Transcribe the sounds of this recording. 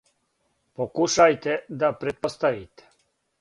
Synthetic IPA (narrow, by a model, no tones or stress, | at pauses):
pokuʃajt̪ed̪apɾet̪̚post̪aʋiːt̪e̥